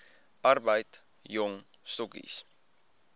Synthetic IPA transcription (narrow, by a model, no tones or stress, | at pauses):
ɐrbəjt | jɔŋsɔkḭs